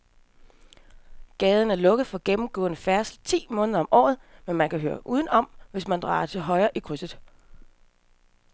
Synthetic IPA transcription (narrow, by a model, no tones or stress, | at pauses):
ɡ̥ɛːð̞ˠn̩æɐlɔ̽ɡ̥əð̩ˠfɒ̽ɡ̥emm̩ɡ̥ɔ̰̽ːnəfæɐslt͡sʰḭːmɔ̽ːnəðˠɐɒ̽mʔɒ̰ːðˠmenmænkʰæɦøːɐʔuːðˠən̩ɒ̽mʋe̝smænd̥ʁɑ̰̈ːt͡sʰe̝lɦɒ̽ɪɐʔikʰʁysəðˠ